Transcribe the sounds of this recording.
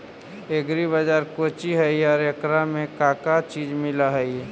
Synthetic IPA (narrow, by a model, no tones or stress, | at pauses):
eɡɾibəd͡ʒaːɾkot͡ʃiɦəiɔːɾekɾamẽkakat͡ʃiːd͡ʒmɪlaɦəi